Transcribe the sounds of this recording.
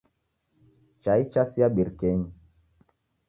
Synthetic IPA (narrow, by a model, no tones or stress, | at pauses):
t͡ʃait͡ʃasiaɓiɾkɛɲi